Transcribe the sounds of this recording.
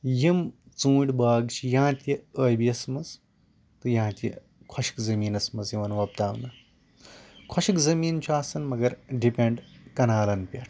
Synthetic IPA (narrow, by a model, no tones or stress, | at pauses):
jim | t͡sũːɽʲbaːɡt͡ʃʰijãːt̪ʲiəːjbiɐsmɐz | t̪ɨjãːt̪ʲɐ̰ | kʰoɕi̥kzɐmiːnɐsmɐzjiʋɐnʋɐp̚t̪aːʋnɐ | kʰɐʃikzɐmiːnt͡ʃʰuaːsɐnmɐɡɐɾɖipʲẽɳɖkɐnaːlɐnpʲɐʈʰ